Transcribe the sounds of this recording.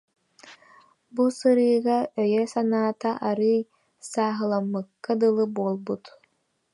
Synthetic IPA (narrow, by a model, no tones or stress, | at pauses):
busɯɾɯːɡaœjɛsanaːt̪aʔaɾɯj | saːɦɯlˠamːɯkːad̪ɯlˠɯbuɔlˠbut̪